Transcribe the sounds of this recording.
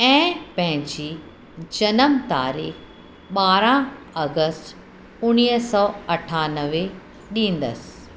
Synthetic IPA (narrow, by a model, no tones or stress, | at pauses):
ɛ̃ːpɐ̃ɦɪ̃ɲd͡ʑiː | d͡ʑɐnəmt̪a̰ːɾḭːx | ɓaːɾã | ɐɡəsʈ | ʊniːsɔɐʈʰaːnəʋe | ɗĩːn̆d̪ə̰sɪ̥